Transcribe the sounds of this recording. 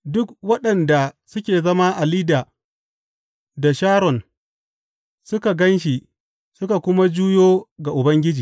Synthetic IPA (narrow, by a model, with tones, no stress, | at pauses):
dʊ˦k̚wɐ˦ɗɐ˨nda˨sʊ˦kʲeː˨zɐ˦ma˦ʔa˨liː˦daː˨ | da˨ʃaː˦ɾɔ˨n | sʊ˦ka˨ɡɐ˦nʃ̬i˨ | sʊ˦ka˨kʷʊ˦ma˦d͡ʒuː˦joː˦ɡa˨ʔʊ˨bɐ˦ŋɡʲɪ˦d͡ʒiː˨